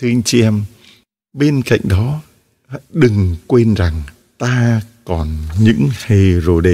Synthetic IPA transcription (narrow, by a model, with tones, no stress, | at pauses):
t̪ʰɨ˧ʔa˧jŋ̟t͡ɕi˧ʔɛ˧m | ɓe˧nka̰˧˨jŋ̟ɗɔ˨˦ | hɗɨ˨˩ŋkwe˧nza˨˩ŋ | t̪aː˧kɔ˨˩nɲɨ̰˧˥ŋha˧jzo˨˩ɗe˧˩